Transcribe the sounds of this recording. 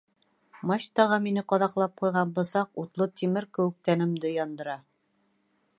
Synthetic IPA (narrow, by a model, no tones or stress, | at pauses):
mɑɕt̪ɑʁɑminɘqɒðɑqlˠɑp̚qujʁɑnbɤ̆sɑqut̪lˠot̪imɘɾkɘ̆wɘ̆k̚t̪ænɘ̆md̪ɘjɒnd̪ɤ̆ɾɑ